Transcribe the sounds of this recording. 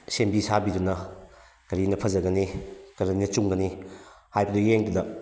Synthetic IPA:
sembisabidunɐ | kɐɾinɐpʰɐzɐɡɐnikɐɾiinɐt͡ʃuŋɡɐnihajbɐdujeŋdudɐ

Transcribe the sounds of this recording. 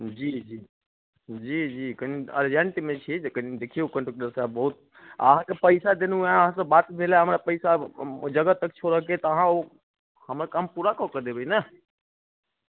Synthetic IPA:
d͡ʒid͡ʒi | d͡ʒid͡ʒikəniə̰ɾd͡ʒəɳʈimet͡ʃʰid͡ʒekənid̪ekʰijukəɳʈokɖəɾsabəɦut̪̚ː | əɦãkepəɪsad̪enuãəɦãsəbat̪bʱelaɦəmɾapəɪsad͡ʒəɡət̪əkt͡ʃʰoɾəɦket̪ɔəɦão | həmɾakampuɾakɔkəd̪ebəjna

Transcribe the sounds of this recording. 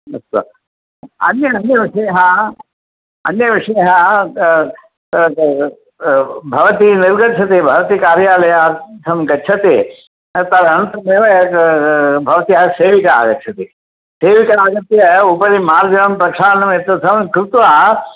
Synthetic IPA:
ɐst̪ɐ̰ | ɐ̰njɐːnjɐʋiʂɐjɐɦɐ | ɐ̰njɐʋiʂɐjɐɦɐ | bʱɐʋɐt̪iniɾɡɐt͡ʃʰɐt̪ebʱɐʋɐt̪ikaːɾjaːlɐjasʰɐmɡɐt͡ʃʰɐt̪e | t̪ɐɾɐnt̪ɐmeːʋɐjɐ | bʱɐʋɐt̪iɦɐseːʋikɐa̰ːɡɐt͡ʃʰɐt̪i | seːʋikɐaːɡɐt̪jɐupɐɾimaːɾd͡ʒɐnɐmpɾɐkʂaːɾɐnɐmet̪ːɐsʰɐmkɾɪt̪ʋaː

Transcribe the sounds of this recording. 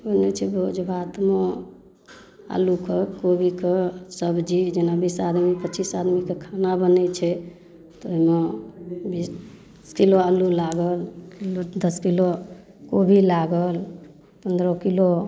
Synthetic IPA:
bənɛt͡ʃʰɛbʱod͡ʒbʱat̪me | a̰lukekobʱikesəbd͡ʒid͡ʒenabisad̪mipətːt͡ʃisad̪mikekʰanabənɛt͡ʃʰɛ | t̪oɦimebis | skiloalulaɡəlkilod̪əskilo | kobʱilaɡəl | pənd̪ɾɔkilo

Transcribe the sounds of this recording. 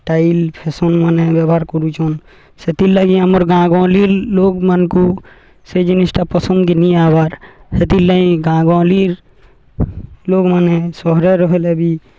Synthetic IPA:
ʈailpʰesɔnmənẽbjəbʱaɾkɔɾut͡ʃɔn | set̪ilːəɡiəməɾɡãɡãliɾloɡmənku | sed͡ʒinisʈapəsə̃nd̪kiniabaɾhet̪ilːəĩɡãɡãliɾ | loɡmanesɔɦɾeɾɔɦelebʱi

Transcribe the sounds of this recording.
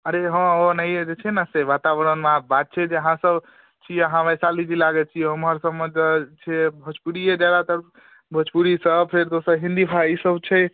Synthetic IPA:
əɾeɦə̃onəjed͡ʒet͡ʃʰnəseʋat̪abəɾənmãbat̪̚t͡ʃʰɛd͡ʒeəɦãsəb | t͡ʃʰijeɦãʋəjsalid͡ʒilaɡɛt͡ʃʰijeɦəmɦəɾsəbmed͡ʒt͡ʃʰibʱət͡ʃpuɽijed͡ʒjad̪at̪əɾ | bʱət͡ʃpuɾisəb̚pʰeɾd̪osəɾɦĩnd̪ipʰaisəbt͡ʃʰə

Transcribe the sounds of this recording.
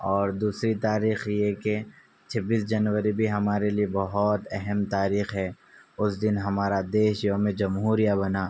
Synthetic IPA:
ɔːɾd̪uːsɾit̪aːɾiːxjɛke | t͡ʃʰɐbiːsd͡ʒɐnwəɾibʱiɦɐmaːɾeliebɐɦɔt̪ɛɦɛmt̪aːɾiːxɦɛː | ʊsd̪ɪnɦɐmaːɾad̪eːʃjõmẽd͡ʒɐmɦuːɾijabɐnaː

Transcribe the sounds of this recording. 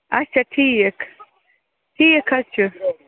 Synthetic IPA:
ɐt͡ʃʰaʈʰik | ʈʰiːkʰɐt͡ʃʰu

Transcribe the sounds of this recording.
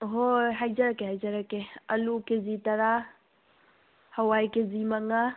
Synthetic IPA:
ɦoɦɐd͡ʒɐɾɐkeɦɐjd͡ʒɐɾɐkeɐlukezit̪ɐɾa | hɐwaːikezimɐŋɡa

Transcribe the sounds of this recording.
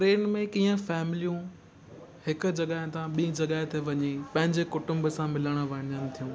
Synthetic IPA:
ʈɾeːnmẽkiːə̃fɛːmɪlijũ | hɪkʊ̆d͡ʑɐɠaːɪ̃t̪ãɓiĩd͡ʑɐɡaːɦet̪ʰeʋɐɲepɐ̃ɦɪ̃ɲd͡ʑekʊʈʊ̃mbsãmɪləɽ̃əʋɐnənɪ̆t̪ʰijũː

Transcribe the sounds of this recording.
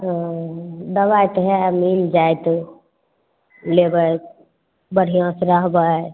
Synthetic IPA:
d̪əβajt̪ɦɛmild͡ʒajt̪ | lebəj | bəɽ̤ijõsɾəɦbə

